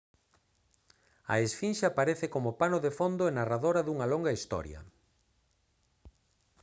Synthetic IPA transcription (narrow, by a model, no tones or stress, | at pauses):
ɐ̰esfinʃapaɾeθɪkomopanoðefond̪oenaraðoɾɐðuŋɐloŋɡɐist̪ɔ̰ɾjɐ̰